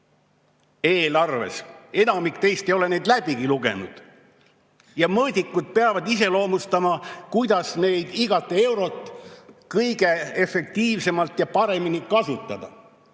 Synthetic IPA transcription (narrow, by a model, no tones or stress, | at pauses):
eːlɑrve̞̰se̞nɑmikt̪e̞jst̪e̞jo̞le̞ne̞jd̪læb̥iɡiluɡe̞̰nṵd̪̥ | jɑmɤːd̪ʲikːˑud̪̥̚pe̞ɑvɑd̪is̬e̞lo̞ːmust̪ɑmɑkujd̪̥ɑsne̞jd̪̥iɡɑt̪ːˑee̞wɾo̞t̪ːˑkɤjɡ̥e̞efe̞k̚t̪iːvse̞mɑlt̪ˑjɑpɑɾe̞minikɑsut̪ːˑɑd̪̥ɑ